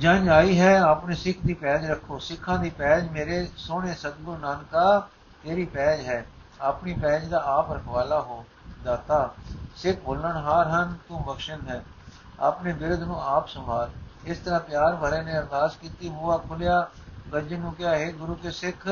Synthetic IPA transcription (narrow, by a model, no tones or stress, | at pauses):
d͡ʒəɲaːiːɦɛːaːpneːsɪkʰd̪iːpɛːd͡ʒɾəkʰːoːsɪkʰːãːd̪iːpɛːd͡ʒmeːɾeːsoːɳ̃eːsəd̪̚ɡʊɾnaːnkaː | t̪eːɾiːpɛːd͡ʒɦɛːaːpniːpɛːd͡ʒd̪aːaːpəɾəkʰʋaːlaːɦoː | d̪aːt̪aːsɪk̚ʰboːlːəɳɦaːɾɦənt̪ũːbəkʃənɦɛː | a̰ːpneːbɪɾd̪nũːaːpsə̃mbaːlɪst̪əɾãːpjaːɾbəɾẽːnẽːəɾd̪aːskiːt̪iːbuːaːkʰʊljaː | ɡəd͡ʒənũːkɪjaːɦeːɡʊɾuːkeːsɪkʰ